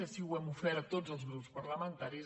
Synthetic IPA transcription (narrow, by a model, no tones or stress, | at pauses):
əsiwɛmufɛɾət̪od͡zəlˠzɣɾupspəɾləmənt̪aɾiz